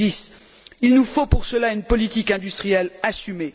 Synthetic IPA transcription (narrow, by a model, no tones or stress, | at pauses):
is | ilnufopuʁsəlaynpɔlit̪ikɛ̃d̪yst̪χijɛlasyme